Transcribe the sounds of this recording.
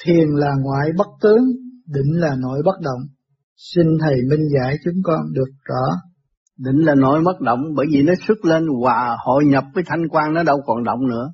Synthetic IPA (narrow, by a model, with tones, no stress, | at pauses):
t̪ʰi˨˩ənlaː˨˩ŋwa̰ː˧˨jɓə˦˥t̚t̪ɨ˨˦əŋɗï˧˨ŋ̟laː˨˩no̰˧˥jɓə˦˥t̚ɗə̰˧˨wŋ͡m | si˧nt̪ʰə˨˩jmi˧ŋza̰ː˧˥jt͡ɕʊ˨˦ŋ͡mkɔ˧nɗɨ˨˩ək̚zɔ̰˧˩˦ | ɗï˧˨ŋ̟laː˨˩no̰˧˦jɓə˦˥t̚ɗə̰˧˨wŋ͡mɓəː˧˩jvi˨˩nɔ˨˦sɨ˦˥t̚le˧nvwaː˨˩ho̰˧˨jɲə˨˩p̚vəː˨˦jt̪ʰa˧jŋ̟kwaː˧nnɔ˨˦ɗə˧wkɔ˧˨˩nɗə̰˧˨wŋ͡mnɨ̰˧˥ə